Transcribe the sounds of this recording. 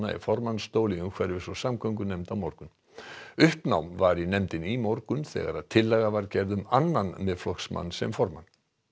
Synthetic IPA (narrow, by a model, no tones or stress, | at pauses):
aɛ̰ɾfɔɾmanst̪oːwliʏkʰvɛɾɪvɪsɔsamkʰœŋkʏnɛmt̪awmɔɾkʏn | ʏhpnawmvaɾinɛmt̪ɪnimɔɾkʏmθɛ̰ɣa̰ɾaðt̪ʰɪlːɛɣavaɾcɛɾðʏmanːanmɛðflɔksma̰nːsɛ̰mfɔɾma̰nː